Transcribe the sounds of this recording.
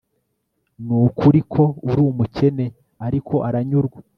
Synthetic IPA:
nuːkʰuɾikʰo̞uɾuːmuce̞ne̞ | aɾikʰo̞ʔaɾaɲuɾɡwa

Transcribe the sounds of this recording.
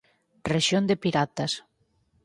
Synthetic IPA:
reʃjond̪epiɾat̪as

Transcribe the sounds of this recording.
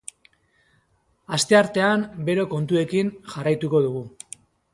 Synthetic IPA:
ast̪e̞aɾt̪e̞ambe̞ɾo̞ko̞nt̪ue̞kinʝarajt̪uko̞ðuɣ̞u

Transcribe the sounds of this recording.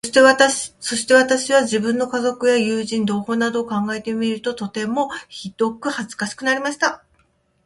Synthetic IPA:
eso̞ɕi̥t̪e̞β̞at̪aɕiβaʑibɯ̟̃nːo̞kazo̞kɯ̟jajɯ̟ːʑĩnd̪o̞ːho̞ːnad̪o̞ːkãŋɡae̞t̪e̞mʲiɾɯ̟t̪o̞t̪o̞t̪e̞mo̞çid̪̥o̞kɯ̟hazɨ̥kaɕi̥kɯ̟naɾʲimaɕi̥t̪a

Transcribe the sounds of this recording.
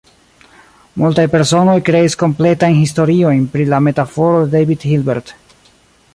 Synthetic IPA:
multajpe̞ɾso̞no̞jkɾe̞isko̞mple̞tajnɦisto̞ɾio̞jnpɾilame̞tafo̞ɾodejvidhilbḛɾt

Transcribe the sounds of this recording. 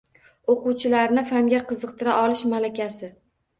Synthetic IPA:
oqʊwt͡ʃʰɪlaɾnɪfaŋɡʲaqɨzɨq̚t̪ʰɪɾaʔɒlɪʃmalakʲasɪ

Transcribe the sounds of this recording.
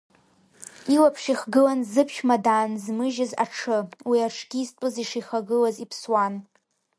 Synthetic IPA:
ilapʰʂiχɡɨlanzɨpʰʃmadanzmɨʒɪza̰ʈ͡ʂʰɨwiaʈ͡ʂʰɡʲiːztʷʼɨziʂiχaɡɨlazipʰswan

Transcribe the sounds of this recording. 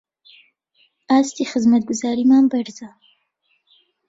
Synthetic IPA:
ast̪ixɪzmat̪̚ɡʊzɑɾimambaɾza

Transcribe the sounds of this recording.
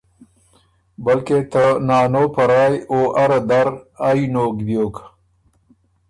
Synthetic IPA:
bɐlket̪ənɑːnopaɾɑːjoʔaɾad̪aɾajnokd̪joːk

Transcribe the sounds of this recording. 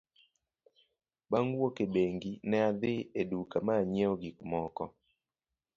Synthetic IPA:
baŋwokebeŋɡinɛad̪ɪedukamaɲɛɔɡikmɔkɔ̰

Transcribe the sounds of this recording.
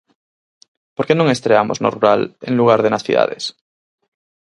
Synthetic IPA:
poɾke̞nõŋe̞st̪ɾeamoznoruɾalḛŋluɣ̞aɾð̞enaθiða̰ðḛs

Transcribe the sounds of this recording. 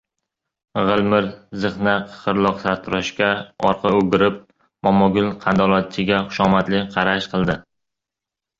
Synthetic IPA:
ʁɨlˠmɪɾzɨχnaqʰχɨɾlˠɒqsaɾt̪ʰʊɾɒʃkʲaɒ̰ɾqʰɑɵɡʲɪɾɪp̚ | mɒmɒɡʲʊlqʰɑnd̪ɒlˠɒt̪̚t͡ʃʰɪɡʲaχʊ̥ʃɒmat̪lɪqʰɑɾaʃqʰɨlˠd̪ɪ

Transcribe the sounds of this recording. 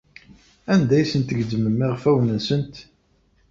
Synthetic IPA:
ænd̪æjsənt̪əɡd̪əməmːɪʁfæwnənsənt̪

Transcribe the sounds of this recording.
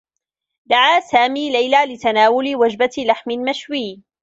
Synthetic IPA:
d̪aʕaːsaːmiːlajlaːlɪt̪anaːwʊlɪwad͡ʒbalaħmɪlmaʃwiː

